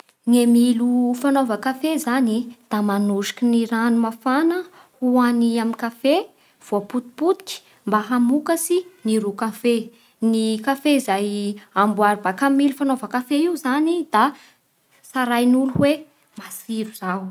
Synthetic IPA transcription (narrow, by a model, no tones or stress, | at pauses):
ŋemilufanovakafezanid̪̥amanuʃi̥kiniɾanumafanə | huaniamikafe | v̥oaput̪i̥put̪i̥kʲi̥ | mbaɦamukəsiniɾukafe | nikafeizajambuaɾibakamilufanovakafeiuzanid̪̥a | saɾajnuluhwe | masiɾuz̥aw